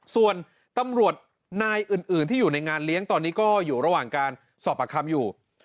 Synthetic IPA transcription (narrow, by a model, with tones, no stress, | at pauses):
su˨˩ən | t̪a˧mɾu˨˩ət̪̚ | naː˧jʔɯː˨˩nʔɯː˨˩nt̪ʰiː˥˩juː˨˩na˧jŋaː˧nli˦˥əŋt̪ɔː˧nːiː˦˥kɔː˥˩juː˨˩ɾa˧waː˨˩ŋkaː˧n | sɔː˨˩p̚ʔaː˧˩kʰa˧mjuː˨˩